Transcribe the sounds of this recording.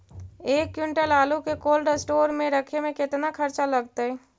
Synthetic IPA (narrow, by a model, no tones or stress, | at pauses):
eːkːjʊɳʈəlaːlukekoːlɖsʈoːɾmẽɾəkʰemẽkɪt̪nakʰəɾt͡ʃaləɡt̪aɦɛː